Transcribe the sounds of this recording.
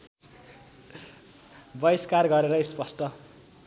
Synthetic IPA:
bʌiskarɡʌɾeɾʌispʌsʈʌ

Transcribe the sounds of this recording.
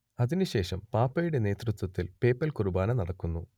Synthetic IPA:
ɐðinuɕe̞ːʂɐmpaːpːɐjuɽe̞ne̞ːt̪rɨt̪wɐt̪ːilpe̞ːpːɐlkurubaːnɐnɐɽɐkːunːu

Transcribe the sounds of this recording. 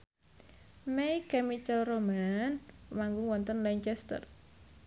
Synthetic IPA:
mejkɛmit͡ʃəlromanmaŋɡʊŋwɔnt̪ənlɛɲt͡ʃɛst̪ə̰r

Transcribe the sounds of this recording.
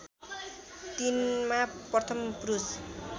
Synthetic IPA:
t̪inmaprʌt̪ʰʌmprus

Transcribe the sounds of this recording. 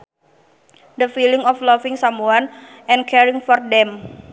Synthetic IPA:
dəfiliŋɔflɔfiŋsamuan | ʔɛ̃nkʰɛɾiŋfɔrdɛm

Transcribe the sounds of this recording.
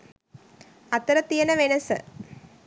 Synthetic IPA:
ɐt̪ːɐɾɐt̪ːijɐnɐʋenɐsɨ

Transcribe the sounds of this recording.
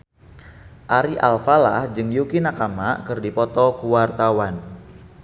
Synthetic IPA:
ʔaɾiʔalfalahd͡ʒɨŋjukinakamakɨrdipɔt̪ɔkuwart̪awan

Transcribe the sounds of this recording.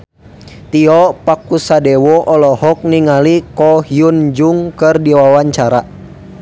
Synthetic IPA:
t̪iɔpakusadɛwɔʔɔlɔhɔk̚niŋalikɔhijund͡ʒuŋkɨrdiwawaɲt͡ʃaɾa

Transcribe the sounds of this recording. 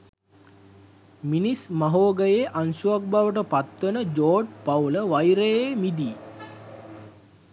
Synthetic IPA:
minismaɦoːɡəjeʔansuak̚baʋəʈəpat̪ʋənəd͡ʒoːɖpauləʋajɾejemid̪iː

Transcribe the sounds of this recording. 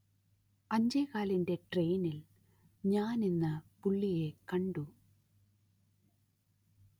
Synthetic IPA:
ɐɲd͡ʑejkaːlinde̞ʈre̞ːnil | ɲaːninːɐpuɭːije̞kɐɳɖu

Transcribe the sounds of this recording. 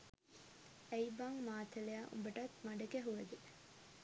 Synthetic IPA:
æjbaŋmaːt̪ɐlejaːʔṵmbɐʈɐt̪mɐɖɐkeɦuʋɐd̪e

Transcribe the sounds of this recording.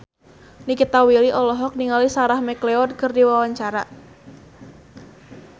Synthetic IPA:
nikit̪awiliʔɔlɔɦɔk̚niŋalisaɾahmɛkleɔd̚kɨrdiwawaɲt͡ʃaɾa

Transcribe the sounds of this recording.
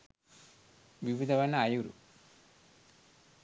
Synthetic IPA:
ʋiʋid̪ʱɐʋɐnːɐajuɾṵ

